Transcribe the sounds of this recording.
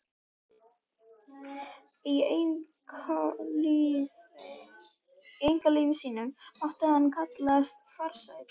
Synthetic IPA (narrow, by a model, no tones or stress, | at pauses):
i | ejŋ̥kaliːvɪsiːnʏmːɔht̪ʏhanːkʰat̪lɛast̪faɾ̥sajt̪